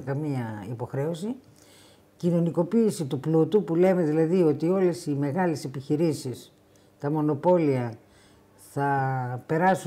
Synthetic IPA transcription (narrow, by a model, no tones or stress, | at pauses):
kɐmiɐipo̞xɾe̞o̞si | cino̞niko̞piːsit̪uplut̪upule̞me̞ðilɐðio̞t̪io̞le̞sime̞ɣɐle̞se̞piçiɾisis | t̪ɐmo̞no̞po̞liɐ | θɐpe̞ɾɐsu